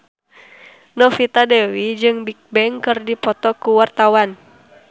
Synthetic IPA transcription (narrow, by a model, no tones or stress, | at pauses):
nɔfit̪adɛwid͡ʒɨŋbik̚bɛŋkɨrdipɔt̪ɔkuwart̪awan